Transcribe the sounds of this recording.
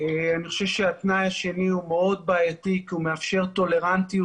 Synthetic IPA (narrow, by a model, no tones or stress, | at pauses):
eaniχoʃevʃeatnajaʃe̞niumeo̞d̪̚baːjat̪ikiume̞afʃe̞ʁto̞le̞ʁant̪i